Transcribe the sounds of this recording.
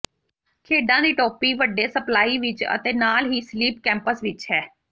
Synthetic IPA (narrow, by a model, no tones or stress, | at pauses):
kʰeːɖãːd̪iːʈɔːpiːʋəɖːeːsəplaːiːʋɪt͡ʃə̰t̪eːnaːlɦiːsliːp̚kɛ̃ːmpəsʋɪt͡ʃɦɛː